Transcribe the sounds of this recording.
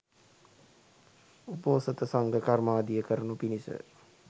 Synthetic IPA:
upoːsət̪əsaŋɡəkarmaːd̪ijəkəɾənupinisə̰

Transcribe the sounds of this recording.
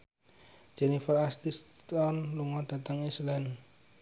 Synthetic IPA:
d͡ʒ̥ɛnifərast̪istt̪ɔnluŋɔd̥a̤t̪əŋislɛn

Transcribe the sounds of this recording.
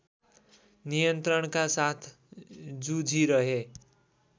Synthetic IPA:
nijʌnt̪rʌɳkasat̪ʰ | d͡zud͡zʱiɾʌɦe

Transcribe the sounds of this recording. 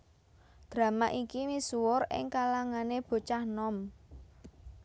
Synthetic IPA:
d̪̥ɾä̤maʔikimisuwʊrɪ̰ŋkalaŋaneb̥o̤t͡ʃahnɔm

